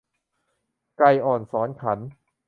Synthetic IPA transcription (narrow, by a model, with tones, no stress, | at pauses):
kla˧jʔɔː˨˩nsɔː˩˦nkʰa˩˦n